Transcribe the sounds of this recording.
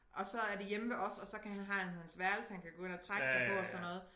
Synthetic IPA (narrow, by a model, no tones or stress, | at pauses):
ʔɒ̽sɒ̽æɐd̥e̝jeməʋeʔɒ̽sɒ̽sɒ̽kʰæhænɦæhænhænsʋæɐdl̩səhænkʰæɡ̥oe̝nɐt͡sʰʁaɡ̥sɑ̈ɪpʰɔ̽ɒsɒnnːɔ̽ːð̩ˠ